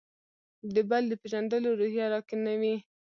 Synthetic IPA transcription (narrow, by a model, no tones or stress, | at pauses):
d̪əbald̪əpeʒand̪əloɾuhjɑɾɑkenawi